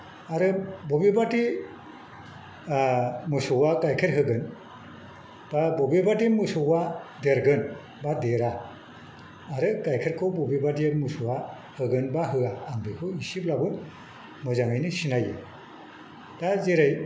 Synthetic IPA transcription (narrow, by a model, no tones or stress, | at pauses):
aɾɯbɔbibati | mɯsɔwaɡajkʰeɾɦɯɡɯn | b̥abobibatimɯsɔwadeɾɡɯn | badeɾa | ɾɯɡajkʰeɾkʰɔbɔbibatimɯsuwa | hɯɡɯnbaɦɯaːŋbikʰɯisiblabɯn | mɯzaŋɯjnisinajɯ̰ | d̥azeɾaj